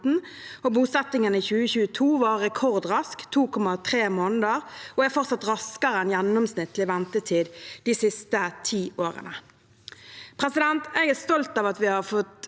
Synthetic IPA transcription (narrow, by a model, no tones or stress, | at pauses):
n̩ | oːbuːsɛt̪ɪŋənəɪçʉːəçʉːət̪ʰuːʋɑʁɛkʰɔʁd̪ʁɑskt̪ʰuːkʰɔmɑt̪ʰʁeːmoːnəd̪əʁoːæfɔʁt̪sɑt̪ʁɑskəʁəɛnjɛnːɔmsnɪt̪ːlɪʋɛnt̪ət̪ʰiːd̪d̪̥iːsɪst̪ət̪ʰiːʔoːʁə̰nə | pʰʁɛsɪd̪ɛnt̪eɡɛʁst̪ɔlt̪ɑːʋɑt̪ʋɪhɑʁfɔt̪